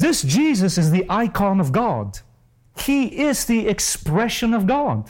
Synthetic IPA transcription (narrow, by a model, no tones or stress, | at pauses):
ðɪsd̥ʒ̥izɨsɨzðiʔaɪkʰɑ̃nʌvɡɑd | hiɪzðiɨkspɹɛʃɨ̃nʌvɡɑd̥